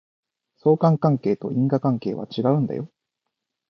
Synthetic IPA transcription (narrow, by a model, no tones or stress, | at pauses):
so̞ːkãŋkãŋke̞ːt̪o̞̰ʔĩŋɡakãŋke̞ːβa̰t͡ɕiɡaɯ̟̃nd̪a̰jo̞